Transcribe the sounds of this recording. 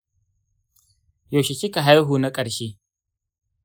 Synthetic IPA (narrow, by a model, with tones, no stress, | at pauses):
jo˨ʃe˨t͡ʃi˦ka˨ɦa˦jɦuː˨na˦kʼɐ˨ɾʃeː˦